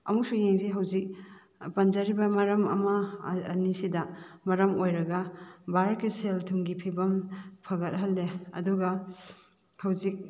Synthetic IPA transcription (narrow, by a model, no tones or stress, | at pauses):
ɐ̰muk̚sujeŋziɦɐwzik̚ | pɐnd͡ʒɐɾibɐmɐɾɐmɐ̰mɐːnisidɐmɐɾɐmojɾɐɡɐbaɾkiseltʰumɡipʰibɐmpʰɐɡɐt̚ɦɐlːeɐ̰duɡɐ | hɐwzik̚